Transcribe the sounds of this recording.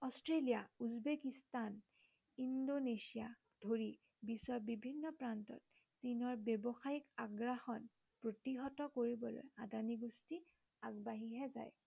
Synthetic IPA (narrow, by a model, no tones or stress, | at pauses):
ɔstɹelijauzbekistan | indonesija | dʱoɹi | bisɔbibʱinːɔpɹantɔ̰t̚ | sinɔɹbjebɔxaikaɡɹaxɔn | pɹotiɦɔtɔkoɹibɔlo̰jadaniɡusti | aɡbaɦiɦɛza̰j